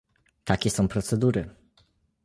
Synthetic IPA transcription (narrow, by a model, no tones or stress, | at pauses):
t̪akʲɛsɔ̃w̃pɾɔt̪sɛd̪uɾɘ